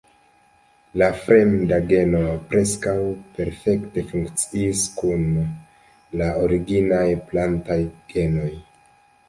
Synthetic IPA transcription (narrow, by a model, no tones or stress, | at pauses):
lafɾemdaɡe̞no̞pɾe̞skawpe̞ɾfe̞kte̞fuŋkt͡siːskun | laoɾiɡinajplantajɡ̥e̞no̞j